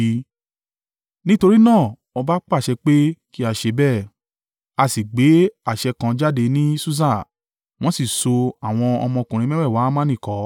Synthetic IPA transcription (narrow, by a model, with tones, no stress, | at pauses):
nĩ˦to˧ɾi˦nãː˦˨ | ɔ˧ba˦k͡pa˦˨ʃɛ˧k͡pe˦ki˦a˨ʃe˨˧bɛ˦˨ | a˧si˨ɡ͡be˨˦a˨ʃɛ˧kã˧d͡ʒa˦de˧nĩ˦su˦s̬a˦˨ | w̃ɔ̃˦si˦˨so˧a˨w̃ɔ̃˧ɔ̰˧mɔ̃˧kũ˨ɾĩ˨˧mɛ̃˦wɛ˦˨wa˨˦mã˦nĩ˦˨kɔ˨˦